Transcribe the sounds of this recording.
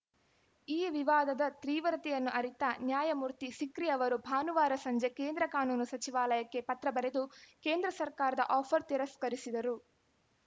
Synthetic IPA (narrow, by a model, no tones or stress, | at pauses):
iːʋiʋaːd̪ɐd̪ɐt̪ɾiːʋɐɾɐt̪ijɐnːuʔɐɾit̪ɐnjaːjɐmuːɾt̪isikɾiɐʋɐɾubʱaːnuʋaːɾɐsɐɲd͡ʒe̞keːnd̪ɾɐkaːnuːnusɐt͡ʃiʋaːlɐjɐkːe̞pɐt̪ɾɐbɐɾe̞d̪uke̞ːnd̪ɾɐsɐɾkaːɾɐd̪ɐ̰ʔɔːpʰɐɾt̪iɾɐskɐɾisid̪ɐɾu